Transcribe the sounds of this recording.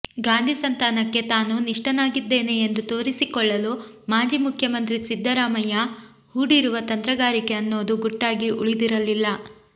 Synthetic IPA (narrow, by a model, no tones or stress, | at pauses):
ɡaːnd̪ʱisɐnt̪aːnɐkːe̞t̪aːnuniʂʈɐnaːɡid̪ːe̞ːne̞ːnd̪ut̪o̞ːɾisikɔɭːɐlumaːd͡ʒiːmukʰjɐmɐnt̪ɾisid̪ːɐɾaːmɐjɐ | huːɽiɾuʋɐt̪ɐnt̪ɾɐɡaːɾike̞ɐnːo̞ːd̪uɡuʈːaːɡiʔuɭid̪iɾɐlːilːɐ